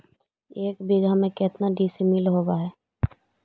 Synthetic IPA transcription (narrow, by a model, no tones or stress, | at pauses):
eːkbiɡʱamẽkɪt̪naɖiːsimɪlɦoːbaɦɛː